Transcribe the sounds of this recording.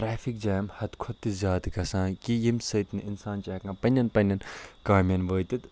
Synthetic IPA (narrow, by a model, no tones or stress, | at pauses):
ɾaːfik̚d͡ʒaːjɐmhɐt̪kʰɔt̪ːizʲjaːt̪kɐsãːkijimsɐt̪nɨʔɪnsaːnt͡ʃaːkãːpɐnʲɐnpɐnʲɐnkaːmʲɐnʋəːt̪it̪